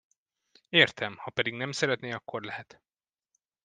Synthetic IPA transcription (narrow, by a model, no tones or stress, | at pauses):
eːrt̪ʰɛmhɒpɛd̪iɡnɛmsɛɾɛt̪neːɒkːo̞rlɛhɛt̪